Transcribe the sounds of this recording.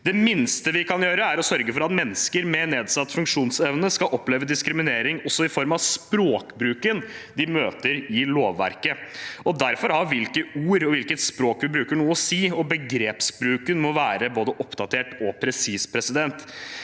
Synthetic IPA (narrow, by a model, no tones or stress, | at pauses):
d̪ɛmɪnst̪əʋɪkʰɑnjøːɾəæɾɔsœɾɡəfɔɾɑt̪mɛnːəskəɾmɛneːd̪sɑt̪ːfʉŋkʂuːnsɛʋnəskɑʔɔpleːʋəd̪ɪskɾɪmɪneːɾɪŋɔsːɔɪfɔɾmɑʋspɾoːkbɾʉːkənd̪ɪmøːt̪əɾɪloːʋːæ̰ɾkəɔd̪æɾfɔɾhɑɾʋɪlkəuːɾɔʋɪlkət̪spɾoːkʋɪbɾʉːkəɳuːəɔsiːɔbəɡɾeːpsbɾʉːkənmɔʋæːɾəboːd̪əʔɔpd̪ɑt̪ʰeːʈɔpʰɾɛsiːspʰɾɛsɪd̪ɛnt̪